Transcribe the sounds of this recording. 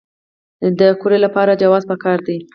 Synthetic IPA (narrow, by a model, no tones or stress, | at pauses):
d̪əkoɾelapɑɾad͡ʒawɑzpəkɑɾd̪i